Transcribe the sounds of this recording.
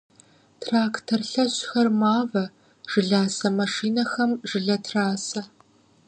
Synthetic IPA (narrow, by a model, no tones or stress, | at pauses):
tʰraːktʰɐrɬɐɕxɐrmaːvɐ | ʒ̥ɨɮaːsɐmɐʂiːnɐxɐmʒɨɮɐtʰraːsɐ